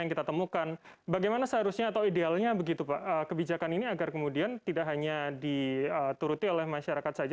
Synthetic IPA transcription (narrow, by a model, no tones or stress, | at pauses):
jaŋkit̪at̪əmukanbaɡajmanasəɦaɾusɲaːt̪awidealɲabəɡit̪upaʔəkəbid͡ʒakaniniaɡarkəmudiant̪idaʔɦaɲadiət̪uɾut̪iolɛhmaʃaɾakat̪̚sad͡ʒa